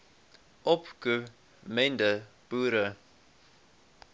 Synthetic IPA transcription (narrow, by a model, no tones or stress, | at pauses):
ʔɔpkʉ | mɛndəb̥uːɾə